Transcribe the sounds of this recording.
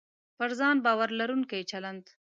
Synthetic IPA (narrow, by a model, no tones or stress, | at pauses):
pəɾzɑnbɑwaɾlaɾuŋkajt͡ʃaland̪